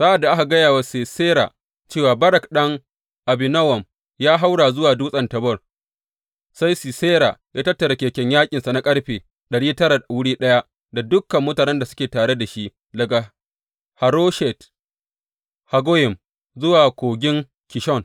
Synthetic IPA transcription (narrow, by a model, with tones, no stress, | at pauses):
sa˦ʔa˨dːa˨ʔa˦ka˨ɡɐ˦jaː˨wa˦se˨seː˦ɾa̰˨ | t͡ʃeː˦˨waː˨bɐ˦ɾɐ˨kɗɐ˦ŋ | ʔa˨bɪ˨nɐ˦wɐ˨m | jaː˦ɦa˦wɽaː˨zʊ˦waː˨duː˦sʼɐ˨ntɐ˨bɐ˦˨r | sa˦jsi˨seː˦ɾa˨jaː˦tɐ˦tːɐ˨ɾa˨kʲeː˨kʲɛ˦ɲjaː˦kʲʼɪ˨nsa˨na˦kʼɐ˦ɽɸeː˨ | ɗɐ˨ɽiː˦tɐ˦ɾa˨wʊ˦ɽiː˦ɗɐ˦ja˦ʔ | da˨dʊ˦kːɐ˨mːʊ˦taː˨nɛ˦nda˨sʊ̥˦kʲeː˨taː˨ɽe˦da˨ʃi˦ʔ | lɐ˨ɡa˨ | ha˨ɾo˦ʃɛ˨t | ha˨ɡo˦jɪ˨m | zʊ˦waː˨kʷoː˨ɡʲɪ˦ŋ | kʲɪ˨ʃɔ˦˨n